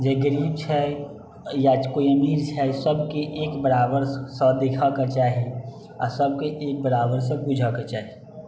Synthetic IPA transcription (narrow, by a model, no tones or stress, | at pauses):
d͡ʒeɡəɾiːb̚t͡ʃʰɛ | jat͡ʃkojəmiːɾt͡ʃʰɛsəbkeʔeːkbəɾaːbəɾsə̃d̪ekʰaket͡ʃaːɦi | a̰səb̚keʔeːk̚bəɾaːbəɾs̬ə̃pud͡ʒʱaket͡ʃaːɦi